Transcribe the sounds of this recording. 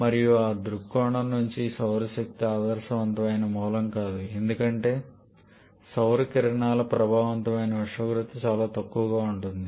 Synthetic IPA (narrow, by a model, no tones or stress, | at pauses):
mɐɾijuaːd̪ɾukːɔːɳɐmnːuɲt͡ʃisɐwɾɐʃɐk̚t̪iaːd̪ɐɾʃɐʋɐnt̪ɐmɐjnɐmɔːlɐmkaːd̪ue̞nd̪ukɐɳʈe̞ː | sɐwɾɐkiɾɐɳaːlɐpɾɐbʱaːʋɐnt̪ɐmɐjnɐɐʂʋɐɡɾut̪ɐt͡ʃaːlaːt̪ɐkːuʋɐɡaːuɳʈund̪i